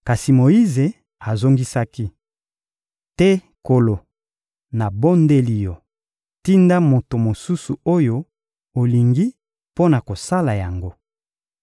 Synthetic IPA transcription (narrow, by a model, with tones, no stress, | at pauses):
ka˨si˨mo˨i˦ze˨ | a˨zo˦ŋɡi˦sa˦ki˦ | tɛ˦ | ko˨lo˨ | na˨bo˦nde˦li˨jo˨ | ti˦nda˦mo˨to˨mo˨su˦su˨o˦jo˦ | o˨li˨ŋɡi˦ | po˦na˨ko˨sa˦la˨ja˨ŋɡo˦